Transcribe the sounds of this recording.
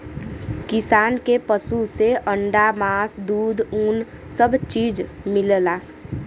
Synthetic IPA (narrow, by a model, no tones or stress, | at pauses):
kɪsaːnkepəsuseʔəɳɖamaːsd̪uːd̪ʱuːn | səbʱt͡ʃiːd͡ʒ | mɪllaː